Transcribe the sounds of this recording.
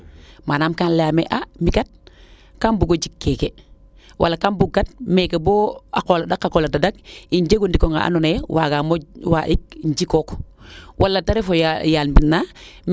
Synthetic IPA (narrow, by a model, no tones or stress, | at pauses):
manaːmkanlamḛʔamikat̚ | kambuɡod͡ʒikːeːke | wʔa̰lːakanbuɡat̚mekeboa̰koladakːakoːladadak̚iɲd͡ʒeɡundikoŋa̰ʔa̰nonewaɡamowaʔik̚ɲd͡ʒikoːkwʔalːataɾefojaːlmbinːa